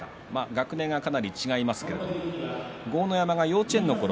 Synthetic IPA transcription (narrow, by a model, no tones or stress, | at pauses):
a | maɡakɯ̟nẽ̞ŋɡakanaɾʲit͡ɕiɡaimasɨ̥ke̞̰d̪o | ɡo̞ːno̞jamaɡajo̞ːt͡ɕẽ̞nːo̞ko̞ɾ